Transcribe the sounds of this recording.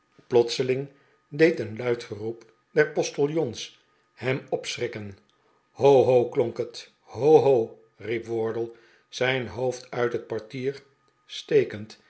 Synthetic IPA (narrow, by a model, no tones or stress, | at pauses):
plɔtsəlɪŋ | dejtənlœɥtχərup | dɛɹpɔstəlˠjɔns | hɛmɔpsrɪkən | howɦowklɔŋkət | howɦow | ripʋɔɹdəlˠ | z̥ɛjnɦowftœɥtɦət̚pɑɹtiːɹ | stejkənt